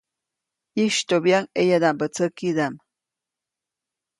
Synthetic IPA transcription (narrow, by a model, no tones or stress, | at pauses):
iʃt̪objaŋejad̪ambət͡səkid̪am